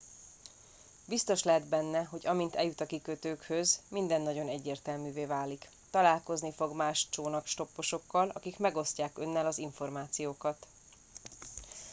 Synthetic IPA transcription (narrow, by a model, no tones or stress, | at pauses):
bist̪o̞ʃlɛɦɛd̪bɛnːɛɦo̞ɟɒmint̪ɛjut̪ɒkikøt̪øːkhøzmind̪ɛnːɒɟo̞nɛɟːeːrt̪ɛlmyːveːvaːlik | t̪ɒlaːlko̞znifo̞ɡmaːʃt͡ʃoːnɒkʃt̪o̞pːo̞ʃo̞kːɒlʔɒ̰kikmɛɡo̞scaːkø̞nːɛlɒziɱfo̞rmaːt̪sijoːkɒt̪